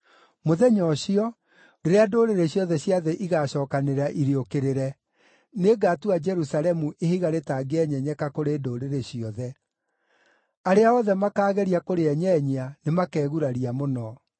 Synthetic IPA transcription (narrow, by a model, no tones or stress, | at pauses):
moðɛɲɔɕiɔ | deɾeadoɾeɾeɕjɔðɛɕjaðɛʔiɣaɕɔːkaneɾaʔiɾiokeɾeɾɛ | neɡaːtuad͡ʒɛɾusalɛmuʔehiɣaɾetaːɡeɛɲɛɲɛkakoɾeːdoɾeɾeɕiɔðɛ | aɾeaɔðɛmakaːɣɛɾiakoɾeɛɲɛːɲeanemakɛːɣuɾaɾiamonɔ